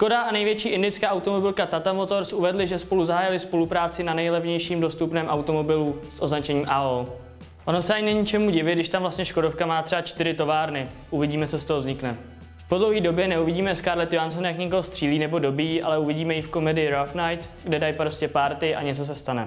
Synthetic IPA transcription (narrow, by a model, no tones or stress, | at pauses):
ʃko̞daanɛjvjɛt͡ʃiːʔɪndɪt͡skaːʔawt̪o̞mo̞bɪlkat̪at̪amo̞t̪o̞ɾsʔuvɛdlɪʒɛspo̞luzaɦaːjɪlɪspo̞lupɾaːt͡sɪnanɛjlɛvɲɛjʃiːmdo̞st̪upnɛːmʔawt̪o̞mo̞bɪlusʔo̞znat͡ʃɛɲiːmʔao | ʔo̞nosɛʔaɲɪnaɲɪt͡ʃɛmuɟɪvɪdɪʃt̪amvlast̪ɲɛʃko̞do̞fkamaːt̪r̥ɛbat͡ʃt̪ɪɾɪt̪o̞vaːɾnɪ | ʔuvɪɟiːmɛt͡so̞st̪oɦovzɲɪknɛ | fpodlo̞wɦiːdo̞bjɛnɛuvɪɟiːmɛskaɾlɛt̪ɪansonjakɲɛkoɦost̪r̝̥iːliːnɛbo̞do̞biːʔa̰lɛuvɪɟiːmɛjɪfko̞mɛdɪɪɾafnajt̪ɡdɛdajpɾoscɛpaɾt̪ɪʔa̰ɲɛt͡so̞s̬ɛst̪anɛ